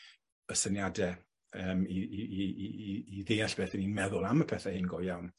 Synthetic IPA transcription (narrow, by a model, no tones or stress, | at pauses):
əsənjadɛ | əːmiiiiːðejaɬb̥eːθəninmɛðʊlˠaməpʰɛθɛhɪnɡɔjawn